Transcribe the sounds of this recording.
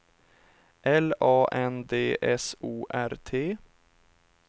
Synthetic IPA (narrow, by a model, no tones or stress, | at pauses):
ʔɛlɑːʔɛnd̪eːʔɛsuːʔæɾt̪ʰeː